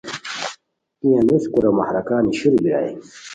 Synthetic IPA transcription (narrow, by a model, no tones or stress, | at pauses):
ijaniskuɾama̰hɾɐkaːniɕiɾbiɾa̰j